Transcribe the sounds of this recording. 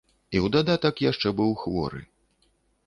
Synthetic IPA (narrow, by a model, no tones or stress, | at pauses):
iwd̪ad̪at̪ɐkjaʂt͡ʂɛbɨwxvɔ̰ɾɨ̰